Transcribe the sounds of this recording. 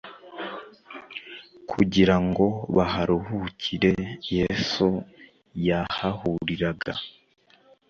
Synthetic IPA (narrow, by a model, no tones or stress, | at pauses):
kʰuɟiɾaŋɡo̞βaɦaɾuhucʰiɾe̞je̞su | jahahuɾiɾaɡa